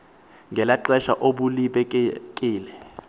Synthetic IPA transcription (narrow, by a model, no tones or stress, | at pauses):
ŋɡʱɛlaǃɛʃaʔoɓuliɓɛkʼiːlɛ